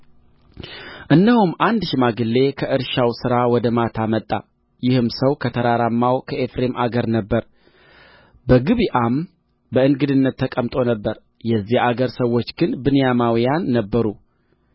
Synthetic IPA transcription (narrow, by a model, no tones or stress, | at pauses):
ʔɨnd̪əhumʔand̪ʃɪmaɡɨlːe̞kʰəʔɨɾʃawsɨɾawɔd̪əmat̪ʰamət̪ʼːa̰ | jɪhɨmsəwkʰət̪ʰəɾaɾamːawkʰəefɾemʔaɡəɾnəbːəɾ | bəɡɨβiʔam | bəɨnɡɨd̪ɨnːət̪ʰːəkʼəmt̪ʼo̞nəbːəɾ | jɛzːihaɡəɾsəwːo̞t͡ʃːɡɨnbɨnɨjamawijanːəbːəɾu